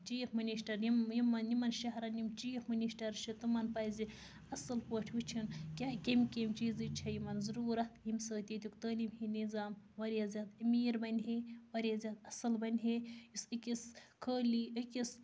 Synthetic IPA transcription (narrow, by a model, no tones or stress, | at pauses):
t͡ʃiːfminiʃʈɐɾjimjimɐnjimɐnʃɐɦɾɐnimt͡ʃiːfmɨniʃʈɐɾʃit̪umɐnpɐjzʲi | ɐsɐlpoʈʰwit͡ʃʰinkʲaːkʲemʲkʲemʲt͡ʃiːzɨt͡ʃʰɐjimɐnzɾuːɾɐjimsəːt̪ʲit̪ʲukt̪əːlimhinizaːmʋɐɾʲjɐzʲaːd̪miːɾbɐnʲɦeʋɐɾʲazʲjaːd̪ɐsɐlbɐnʲɦejisɨkʲiskʰəːliəkʲis